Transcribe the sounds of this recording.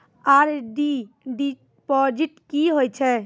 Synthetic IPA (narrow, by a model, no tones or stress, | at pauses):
aɾɖi | ɖi | pɔd͡ʒeʈkiɦojt͡ʃʰe